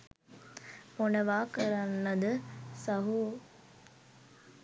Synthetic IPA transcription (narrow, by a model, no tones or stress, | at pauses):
ponəʋaːkəɾanːəd̪əsɐɦu